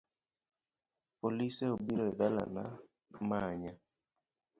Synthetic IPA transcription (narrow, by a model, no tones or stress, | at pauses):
poliseobiɾoɛdala̰na̰ | maɲa